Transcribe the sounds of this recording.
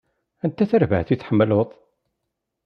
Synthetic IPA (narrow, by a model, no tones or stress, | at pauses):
ænt̪æθəɾvə̰hθiθħəmːəloðˤ